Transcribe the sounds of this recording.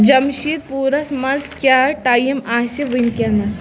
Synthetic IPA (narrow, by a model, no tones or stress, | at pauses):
d͡ʒɐmʃiːɾ̚puːɾɐsmɐzkʲaːɾʈaːjɐmaːsiʋinkʲɐnɐs